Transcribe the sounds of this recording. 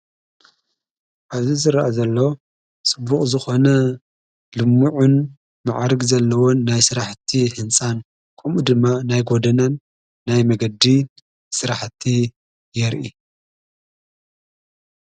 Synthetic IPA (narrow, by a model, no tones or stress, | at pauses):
ʔaβzizɨɾʔazɐlːo̞ | t͡sʼɨbːuχʼzɨxo̞nɐ | lɨmːuʕun | ma̰ʕɾɨɡzɐlːɐwonajsɨɾaħt̪ʰihɨnsʼan | kʰʼɐmʔud̪ɨmːanajɡo̞d̪ɐnanː | ajmɐɡɐd̪i | sɨɾaħt̪ʰi | jɛɾʔi